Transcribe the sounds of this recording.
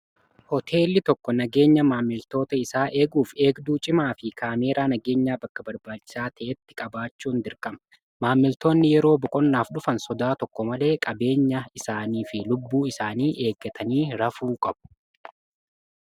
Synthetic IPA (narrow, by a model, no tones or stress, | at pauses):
hɔt̪ʰe̞ːlːɪt̪ɔkːɔnɐɡe̞ːɲːɐmaːmːɪlt̪o̞ːt̪ɐɪsaːʔe̞ːɡuːfe̞ːɡd̪uːt͡ʃʼɪmaːfɪkʰaːme̞ːɾaːnɐɡe̞ːɲːaːbɐkːɐbɐɾbaːt͡ʃːɪ̥saːt̪ʰɐʔɛt̪ːɪ̥kʼɐbaːt͡ʃːuːnd̪ɪɾkʼɐmɐ̥ | maːmːɪlt̪o̞ːnːɪjɛɾo̞ːbɔkʼɔnːaːfɗʊfɐnsɔd̪aːt̪ɔkːɔmɐle̞ːkʼɐbe̞ːɲːɐɪsaːniːfɪlʊbːuːɪsaːniːʔe̞ːɡːɐt̪ʰɐniːɾɐfuːkʼɐb̥ʊ̥